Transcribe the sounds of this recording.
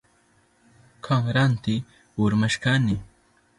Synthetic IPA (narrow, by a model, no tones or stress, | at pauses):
kʰaŋɾant̪ɪ | ʊɾmaʃkanɪ